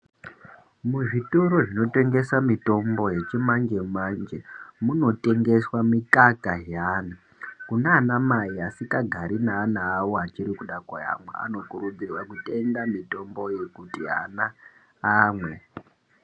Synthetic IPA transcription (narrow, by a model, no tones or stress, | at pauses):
muʐitoɾo̞ʐino̞te̞ŋɡe̞samito̞mbo̞je̞t͡ʃimand͡ʒe̞mand͡ʒemuno̞te̞ŋɡe̞swamikakaɦaːna | kunaːnamaiasikaɡʱaɾinaːnaːwoɦat͡ʃiɾikuɗakwaja̰mwḛa̰no̞kuɾud͡zirwakute̞ŋɡamito̞mbo̞je̞kutiɦa̰naː | mwe̞